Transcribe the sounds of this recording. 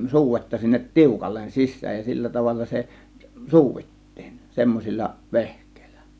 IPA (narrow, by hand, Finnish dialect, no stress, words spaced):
suːʋetːɑ sinːet tiukɑlːen sisˑæːj jɑ silːæ tɑʋɑlːɑ se suːʋitːi̥ːn̥ semːosilʲːɑ ʋehkˑe̥ˑi̥l̥ːæ̥